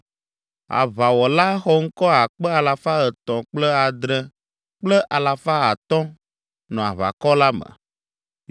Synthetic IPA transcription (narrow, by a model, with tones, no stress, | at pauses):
a̰˨βa˨wɔ˨la˦xɔ˦ŋ̩˦kɔ˦a˨k͡pɛ˦a˨la˨fa˦ə˨t̪ɔ̃˨k͡plɛ˦a˨d̪ɾɛ̃˨ | k͡plɛ˦ʔa˨la˨fa˦a˨t̪ɔ̃˦ | nɔ̃˨a̰˨βa̰˨kɔ˦la˦mə̰˨